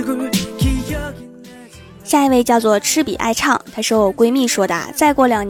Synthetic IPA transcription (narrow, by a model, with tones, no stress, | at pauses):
ɕja˥˧i˧˥we˥˧ɪt͡ɕjɑ˥˧ʊt͡swɔ˥˩ʈ͡ʂʰɻ̩˥pḭ˨˩ʔa̰˥˧ɪʈ͡ʂʰɑ˥˩ŋt̪ʰa˥ʂɻ̩˥˩jo˨˩ʊkwe˥ɪmi˥˩ʂwɔ˥d̪a̰˥˩t͡sa˥˧ɪkwɔ˥˩ljɑ˨˩ŋn